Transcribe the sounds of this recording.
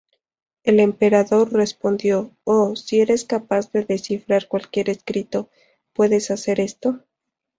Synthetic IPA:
e̞le̞mpe̞ɾaðo̞rre̞spo̞nd̪jo̞osie̞ɾe̞skapazðe̞ðe̞sifɾaɾkwalkje̞ɾe̞skɾit̪o̞ | pwe̞ðe̞sase̞ɾe̞st̪o̞

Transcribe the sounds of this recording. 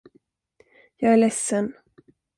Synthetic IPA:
jɑːɡæɭɛsːən

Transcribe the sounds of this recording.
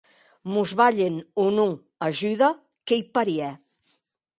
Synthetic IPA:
muzβaʎenunu | aʒyða | kejpaɾiɛ

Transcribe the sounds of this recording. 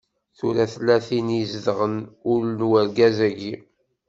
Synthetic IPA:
θuɾæθlːæθinizðʁənʊɾnwæɾɡæzæɡi

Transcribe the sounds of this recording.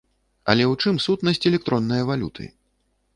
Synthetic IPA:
ɐ̰lʲɛwt͡ʂɨmsut̪nɐsʲt͡sʲɛlʲɛk̚t̪ɾɔnːɐjɐvalʲṵt̪ʰɨ̰

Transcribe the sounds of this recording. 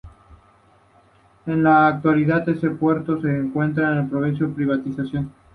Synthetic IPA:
e̞nlaːk̚t̪waliðaðese̞pwe̞ɾt̪o̞se̞ːŋkwe̞nt̪̬ɾaenelpɾoβensjopɾiβat̪isasjon

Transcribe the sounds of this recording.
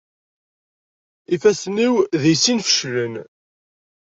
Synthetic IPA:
ifæsniwðijsinfə̥ʃɾən

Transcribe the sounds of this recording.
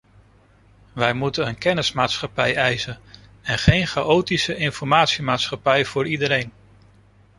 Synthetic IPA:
ʋɛjmutənənkɛnɪsmaːtsχɑpɛjɛjsənɛnχejnχaʔowtisəʔɪnfɔɹmaːtsimaːtsχɑpɛjv̥ʊːɹidəɾejn

